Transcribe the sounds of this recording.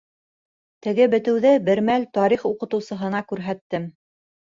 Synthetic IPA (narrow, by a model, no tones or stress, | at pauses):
t̪ɘ̆ɡɘbɘ̆t̪ɘ̆wðɘbɘ̆ɾmælt̪ɑɾiχuqɤ̆t̪ɤ̆wsɤ̆ɦɤ̆nɑkʉɾɦæt̪ːɘm